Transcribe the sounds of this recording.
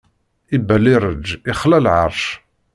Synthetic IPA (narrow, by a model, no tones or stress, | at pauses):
ibæliɾˤəd͡ʒiχlælʕəɾˤʃ